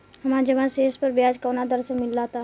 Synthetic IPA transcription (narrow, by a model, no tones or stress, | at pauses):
ɦəmad͡ʒəbãsespəɾbjad͡ʒkənad̪əɾsəmilːat̪a